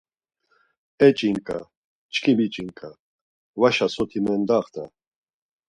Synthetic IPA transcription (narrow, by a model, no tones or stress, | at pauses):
ɛt͡ʃʼiŋkʼa̰ | t͡ʃkʰibit͡ʃʼiŋkʼa | vaʃasɔt̪ʰimɛnd̪aχt̪ʰa